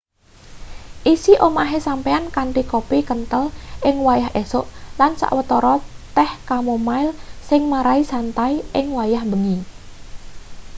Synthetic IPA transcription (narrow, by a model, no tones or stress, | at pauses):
ʔisiʔomaɦesampeankaɳʈikopikənt̪əlʔɪŋwajaɦesoʔlansa̰ʔwət̪ɔɾɔt̪ɛhkamomaɪlsɪŋmaɾaisant̪aiʔɪŋwajahbəŋi